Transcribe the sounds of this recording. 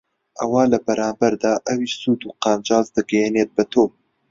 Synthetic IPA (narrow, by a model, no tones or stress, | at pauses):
ʔɐwaːlɐbɐɾaːmbɐɾd̪aːʔɐwiʃsuːd̪uːqɑːnd͡ʒɑːzd̪ɨɡɛjeneːt̪̚bɐt̪ʰoː